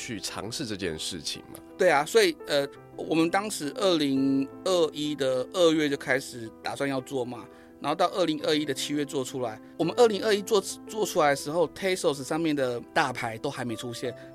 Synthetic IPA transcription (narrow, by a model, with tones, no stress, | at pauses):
t͡ɕʰy˥˩ʈ͡ʂʰɑ̰˧˥ŋʂɻ̩˥˧ʈ͡ʂɤ˥˧t͡ɕjɛ̰˥˧nʂɻ̩̰˥˩t͡ɕʰḭ˨˩ŋma̰˨˩t̪we˥˩ɪɐ˩swɔ˧˥i˨˩ə˧ | wɔ˨˩mə˨˦nt̪ɑ˥ŋʂɻ̩˧˥ʔə˥˩li˧˥ŋə˥˧i˥d̪ə˨ə˥˧ɥɛ˥˧t͡ɕjo˥˩ʊkʰa˥ɪʂɻ̩˨˩˦t̪a̰˨˩swa˥˧njɑ˥˧ʊt͡swɔ˥˩mɐ˨˩ | nna˨˧˥o˥˧t̪ʊʔə˥˩li˧˥ŋʔə˥˧i˦˥d̪ə˨t͡ɕʰi˥ɥɛ˥˧t͡swɔ˥˩ʈ͡ʂʰu˥la˧˦ɪwɔ˨˩mə˧˦nʔə˥˩li˧˥ŋə˥˧i˥t͡swɔ˥˧t͡swɔ˥˧ʈ͡ʂʰu˥la˧˦ɪd̪ə˧ʂɻ̩˧xo˥˩ʊt̪ʰe˥ɪso˥˩ʊs̩˨˩ʂɑ˥˧ŋmjɛ˥˩nd̪ə˩t̪a˥˩pʰa˧˥ɪt̪o˥ʊxa˧˥ɪme˧˥ɪʈ͡ʂʰu˥ɕjɛ˥˩n